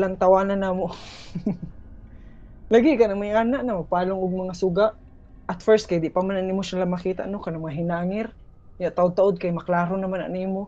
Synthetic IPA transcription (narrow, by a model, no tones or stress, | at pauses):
laŋt̪ɐwaːnanaːmo | laɡɪkanaŋmajʔaːnaʔnamopaːloŋʊɡ̚mɐŋasʊɡaʔ | ʔɐt̪fɛɹst̪̚kad̪ɪʔpamananimoʃalamɐkiːt̪a̰ʔnokanaŋmɐaɦɪnaːŋɪɾ | ɲaʔt̪aʔod̪̚t̪aʔod̪̚kajmɐklaːɾonɐmana̰niːmo